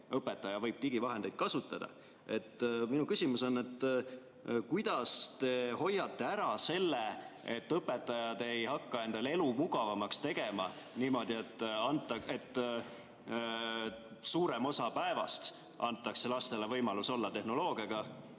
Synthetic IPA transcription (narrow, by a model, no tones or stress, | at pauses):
ɤpːe̞t̪ːˑɑjɑvɤjb̥t̪iɡ̥ivɑɦe̞nd̪ejd̪̥̚kɑsut̪ːˑɑd̪̥ɑ̰ | e̞t̪ːˑminukysʲimuso̞nːe̞t̪ː | kujd̪̥ɑst̪e̞ho̞jːɑt̪ːe̞æɾɑse̞lːee̞t̪ːɤpːˑe̞t̪ˑːɑjɑd̪̥e̞jhɑkːɑe̞nd̪̥ɑle̞lumuɡ̥ɑvɑmɑkst̪e̞ɡ̥e̞mɑ̰ | niːmo̞d̪̥ie̞t̪ːˑɑnt̪ːˑɑe̞t̪ˑː | suːɾe̞mo̞sɑpæevɑ̰st̪ | ɑnt̪ːˑɑkse̞lɑst̪e̞levɤjmɑluso̞lːɑt̪e̞hno̞lo̞ːɡ̥iɑɡ̥ɑ